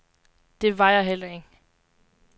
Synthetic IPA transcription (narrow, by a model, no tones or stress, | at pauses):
d̥e̝ʋɑ̈jɑ̈ɦel̰ɐe̝ɡ̥